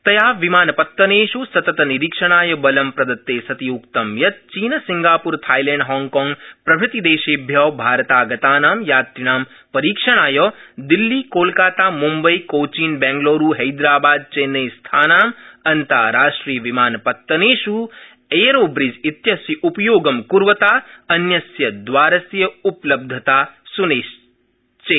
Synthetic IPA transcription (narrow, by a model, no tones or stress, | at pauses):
t̪ɐjaːʋimaːnpɐt̪ːɐneːʃusɐt̪ɐt̪niɾikʂɐɽ̃aːjɐbɐlɐmpɾɐd̪ɐt̪ːeːsɐt̪iukt̪ɐmjɐt̪̚t͡ʃiːnɐsiŋɡaːpuɾt̪ʰaːjlẽːɳɖɦɔːŋɡkɔːŋɡpɾɐbʱɾɪt̪id̪eːʃeːbʱjɐːbʱaːɾɐt̪aːɡɐt̪aːnaːmjaːt̪ɾiɽ̃aːm | pɐɾiːkʂɐɽ̃aːjɐd̪ilːiːkoːlkaːt̪aːmumbɐikoːt͡ʃiːnbɛ̃ːŋɡloːɾuːɦɐjd̪ɾaːbaːd̪̚t͡ʃeːnɐjst̪ʰaːnaːmɐnt̪aːɾaːʂʈɾiːɐʋimaːnpɐt̪ːɐneːʃuː | eːjɾoːbɾid͡ʒit̪jɐsjiʔupjoːɡɐmkuɾʋɐt̪aːɐnjɐsjɐd̪ʋaːɾɐsjɐuplɐb̚d̪ʱɐt̪aːsuneːʃ | t͡ʃeː